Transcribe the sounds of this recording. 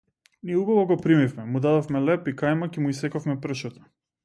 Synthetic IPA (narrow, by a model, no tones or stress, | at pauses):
niɛubavɔɡɔpɾimifmɛmud̪ad̪ɔfmɛlɛpikajmakɛmuisɛkɔfmɛpr̩ʃat̪ḁ